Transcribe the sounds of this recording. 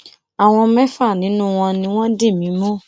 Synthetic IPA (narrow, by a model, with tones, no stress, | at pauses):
a˨w̃ɔ̃˧mɛ̃˦fa˦˨nĩ˨˦nũ˦˨w̃ɔ̃˧nĩ˧w̃ɔ̃˦de˦˨mĩ˨˦mɔ̃˦˨